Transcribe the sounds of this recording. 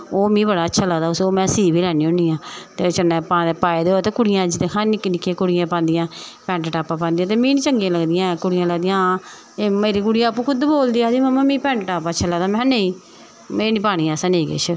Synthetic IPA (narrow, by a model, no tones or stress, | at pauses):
oːmĩːbəɽaːətːʃʰaːləɡd̪aːʊsoːmɛ̃ːsiːʋiːlɛːniːʊniːãːt̪eːt͡ʃəneːpãːd̪epaːeːd̪eːot̪eːkʊɽɪjãːd͡ʒɪt̪eːkʰaːnɪkːnɪkʰːeːkʊɽɪjãːpãːnd̪ɪjãːpɛ̃ːɳʈʈaːpãːpãːnd̪ijãːt̪eːmĩːnĩt͡ʃəŋɡijãːləɡd̪ɪjãːkʊɽɪjãːləɡd̪ijãː | eːmeːɾiːkʊɽɪjãːəpːũːkʰʊd̪boːld̪iːaːd̪iːməmãːmĩːpɛ̃ːɳʈʈaːpaːt͡ʃːʃʰaːləɡd̪aːmɛ̃ːneĩː | meːnĩːpaːɽ̃iːaːsəneːkɪ̰t͡ʃʰ